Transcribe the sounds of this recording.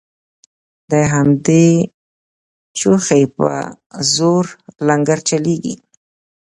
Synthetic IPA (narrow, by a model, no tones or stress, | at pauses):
d̪əɦamd̪e | t͡ʃuxejpə̰ | zoɾlaŋɡaɾt͡ʃaleɡḭ